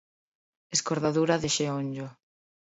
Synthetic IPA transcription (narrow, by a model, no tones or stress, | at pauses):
eskoɾðaðuɾaðeʃeoɲd͡ʒo